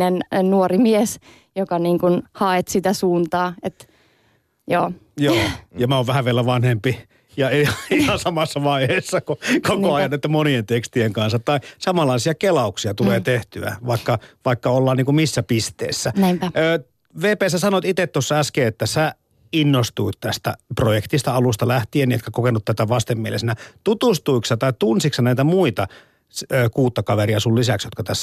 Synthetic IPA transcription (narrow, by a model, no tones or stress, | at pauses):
nennuorimies | jokɑniːŋkunhɑet̪sit̪æsuːnt̪ɑːet̪ | joːjoːjɑmæoːʋʋæhæʋʋielæʋɑnhempi | jɑiɑihɑsɑmɑsːɑʋɑiheːsːɑkokokoɑjɑnːet̪ːæmonient̪ekst̪ieŋkɑnsːɑt̪ːɑisɑmɑlːˑɑˑisiɑkelɑuksiɑt̪uleːt̪eht̪yæ̰ʋɑikːɑʋɑikːɑolːɑːniːŋkumisːæpist̪ḛːsːæøː | ʋeːpeːsæsɑnot̪it̪et̪t̪osːɑæskeːet̪ːæsæ | inːost̪uit̪t̪æst̪æ̰projekt̪ist̪ɑɑlust̪ɑlæht̪ieniet̪kækokenut̪t̪æt̪æʋɑst̪emmielḛsnæt̪ut̪ust̪uiksɑt̪ɑit̪unsiksɑnæit̪æmuit̪ɑ | søːkuːt̪ːɑkɑʋeriɑsullisæksjot̪kɑt̪æsː